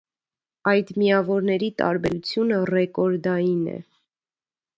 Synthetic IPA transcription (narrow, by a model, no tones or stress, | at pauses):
ɑjd̪mijɑvɔɾnɛɾit̪ɑ̰ɾbɛɾut͡sʰjunərɛkɔɾd̪ɑjinɛ̰